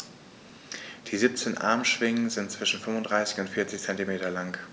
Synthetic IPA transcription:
d̥iːziːp̚t͡seːnʔa̰ɐmʃv̥ɪŋənzɪntt͡sv̥ɪʃn̩fʏmʊndʁaɪsɪ̥çʊntfɪːɐt͡sɪçt͡sɛntimeːtɐlaŋ

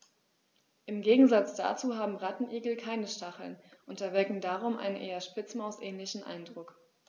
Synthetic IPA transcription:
ʔɪmɡeːɡŋ̩zat͡sd̥a̰ːt͡suːɦaːbm̩ʁatn̩ʔiːɡl̩kʰaɪnəʃtʰaχl̩nʔʊntɐvɛɐkŋ̩daːʁ̞ʊmʔa̰ɪnənʔeːɐʃpɪt͡smaʊsʔɛːnlɪçn̩ʔa̰ɪndʁʊk

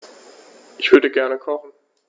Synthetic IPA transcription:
ʔɪçv̥ʏɐɾəɡɛɐnəkʰɔχn̩

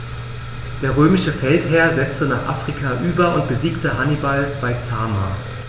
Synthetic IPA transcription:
d̥eːɐʁ̞øːmɪʃəfɛlthɛːɐzɛt͡stənaːχʔa̰ːfʁ̥ikʰaʔyːbɐʊnt̚b̥əziːktəɦanibalb̥aɪt͡saːma̰ː

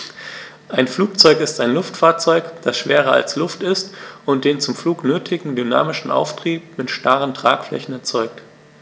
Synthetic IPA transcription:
ʔaɪnfluːk̚t͡sɔʏkɪstaɪnlʊftfaːɐtt͡sɔʏkd̥asʃv̥eːʁɐa̰lslʊftɪstʔʊnt̚d̥eːnt͡sʊmfluːknøːtʰɪɡŋ̩dyna̰ːmɪʃn̩ʔa̰ʊftʁ̥iːp̚mɪtʃtaʁəntʁ̥a̰ːkflɛ̰çn̩ɛɐt͡sɔʏk̚t

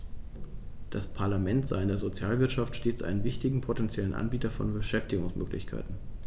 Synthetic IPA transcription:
d̥aspʰaɐlamɛntz̥a̰ɪɪndeːɐzot͡sjaːlvɪɐtʃaftʃteːt͡sʔa̰ɪnənvɪçtɪɡŋ̩pʰotɛnt͡sjɛlənʔa̰nbiːtɐfɔ̰nbəʃɛftɪɡʊŋsmø̰ːklɪ̰çkʰa̰ɪtn̩

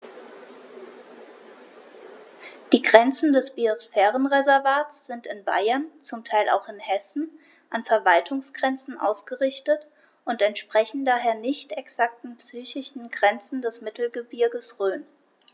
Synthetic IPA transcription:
d̥iːɡʁɛnt͡sn̩dɛsb̥iosfɛːʁənʁezɛɐvaːtsz̥ɪntɪnba̰ɪɐnt͡sʊmtʰaɪlʔa̰ʊxɪnhɛsn̩ | ʔanfɛɐvaltʰʊŋsɡ̥ʁɛnt͡sn̩ʔa̰ʊsɡ̥əʁɪçtət | ʔʊntɛntʃpʁ̥ɛçn̩daːɦeːɐnɪçtɛksak̚tn̩psyːçɪʃn̩ɡʁɛnt͡sn̩dɛsmɪtl̩ɡəbɪɐɡəsʁøːn

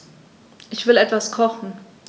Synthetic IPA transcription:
ʔɪçv̥ɪlɛtv̥askʰɔχn̩

